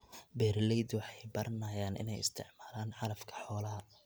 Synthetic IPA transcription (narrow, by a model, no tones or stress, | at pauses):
bɛːɾlɛjd̪wɑħɑjbɐɾɐnɐjaːnʔɪ̰nɛjɪ̰st̪ʰɪ̰ʕmaːlaːnʕɑlɐfkʰɐ̥ħɔːlɐɦɐ